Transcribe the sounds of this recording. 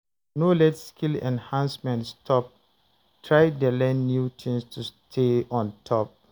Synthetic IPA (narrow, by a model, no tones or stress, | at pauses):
nolɛtskʰilɛ̰̃nhãnsmɛ̃ntstʰɔp̚ | tʰɹaɪdəlɛ̃nːjutʰĩŋstʰustʰeɔ̃ntʰɔp̚